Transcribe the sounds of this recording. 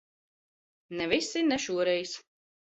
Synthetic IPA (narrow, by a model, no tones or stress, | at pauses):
nɛvisinɛʃuɔɾɛjs